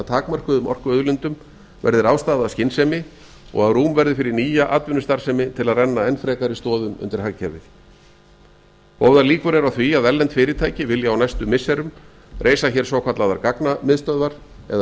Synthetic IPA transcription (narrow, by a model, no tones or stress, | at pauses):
at̪ʰaːkmar̥kʏðʏmʔɔ̰r̥kʏœðlʏnt̪ʏm | vɛ̰ɾðɪɾaːwst̪aːðascɪnsɛmɪ | ɔ̰ɣaðruːmvɛɾðɪfɪɾɪɾniːjaʔaːt̪vɪnʏst̪aɾ̥sɛmɪt̪ʰɪlaðrɛnːaɛnfɾɛːkaɾɪst̪ɔːðʏmʏ̰nt̪ɪɾ̥hɦaɣcʰɛvɪ̰θ | hoːwðaliːkʏɾɛɾawθviaðɛlːɛnt̪fɪːɾɪt̪ʰaːjcɪvɪljaawnajst̪ʏmɪsːɛɾʏm | rʔeːjsaçɛɾ̥saːwkʰat̪laðaɾkaknamɪðst̪œðvaɾ | ɛð